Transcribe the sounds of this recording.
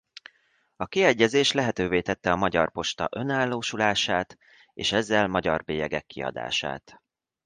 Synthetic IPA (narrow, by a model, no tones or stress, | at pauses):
ɒkiɛɟːɛzeːʃlɛɦɛt̪øːveːt̪ɛt̪ːɛɒmɒɟɒrpo̞ʃt̪ɒ̰ʔø̞naːlːoːʃulaːʃaːt̪ | eːʃɛzːɛlmɒɟɒrbeːjɛɡɛkːiɒ̰d̪a̰ːʃa̰ːt̪